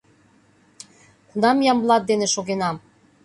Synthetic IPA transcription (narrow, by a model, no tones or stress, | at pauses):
kunɑmjɑmblˠɑt̪̚d̪eneʃoɣenɑm